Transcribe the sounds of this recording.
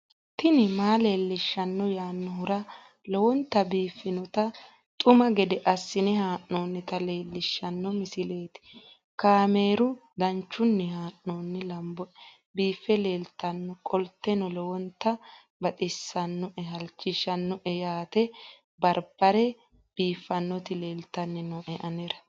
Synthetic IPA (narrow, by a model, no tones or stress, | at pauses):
t̪ɪnɪmaːle̞ːlːɪʃːɐnːɔjaːnːɔɦʊɾɐ | lɔwɔnt̪ːɐbiːfːɪnɔt̪ɐ | t̪ʼʊmɐɡɛd̪ɛʔɐsːɪnɛhaːʔːoːnːɪt̪ɐle̞ːlːɪʃːɐnːɔmɪsɪle̞ːt̪ɪ̥ | kaːme̞ːɾʊd̪ɐnt͡ʃːʊnːɛɦaːnːoːnːɪlɐmbɔ | biːfːɛle̞ːlt̪ːɐnːɔkʼɔlt̪ːɛnɔlɔwɔnt̪ːɐ | bɐt̪ʼɪsːɐnːɔʔɛɦɐlt͡ʃʼːɪʃɐnːɔʔɛjaːt̪ɛ | bɐɾb̥ɐɾɛ | b̥iːfːɐnːɔt̪ɪle̞ːlt̪ːɐnːɛnɔʔɛʔɐnɛɾɐ